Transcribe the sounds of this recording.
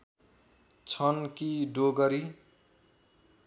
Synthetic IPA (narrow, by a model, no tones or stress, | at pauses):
t͡sʰʌnkiɖoɡʌɾi